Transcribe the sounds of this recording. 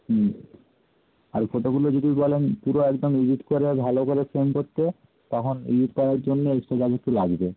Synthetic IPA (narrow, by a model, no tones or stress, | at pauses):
ɦ | aɾfoʈoɡulod͡ʑodibɔlenpuɾoɛkd̪omid͡ʒiʈkoɾebʱalokoɾefɾemkoɾt̪ːe | t̪ɔkʰonḭd͡ʒiʈkɔɾaɾd͡ʑonːeesʈaɡad͡ʑek̚ʈulaɡbe